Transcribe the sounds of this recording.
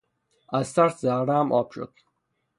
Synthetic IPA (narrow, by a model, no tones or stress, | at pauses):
æzt̪ʰæɾszæʁɾæmʔɒːb̥ʃo̰d̪̥